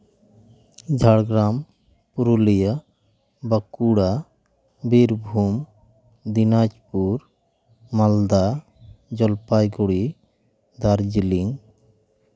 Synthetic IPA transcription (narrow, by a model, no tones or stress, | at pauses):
d͡ʒʱaɽɡɾam | puɾulija | bakuɽa | biɾbʱum | d̪inad͡ʒpuɾ | mald̪a | d͡ʒɔlpajɡoɽi | d̪aɾd͡ʒiliŋ